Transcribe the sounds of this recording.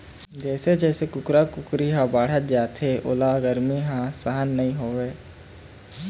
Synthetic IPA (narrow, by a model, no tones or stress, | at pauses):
d͡ʒɛːsed͡ʒɛːsekʊkɾakʊkɾiɦãbaːɽ̤ət̪̚d͡ʒaːt̪ʰeʔo̰laːɡəɾmiɦãːsəɦənːəɦĩːɦoːʋeː